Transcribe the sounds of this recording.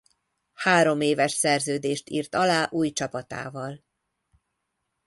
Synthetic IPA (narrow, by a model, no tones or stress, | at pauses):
haːɾo̞meːvɛʃsɛrzøːd̪eːʃt̪ḭːrt̪ɒlaːʔuːjt͡ʃɒpɒt̪a̰ːvɒl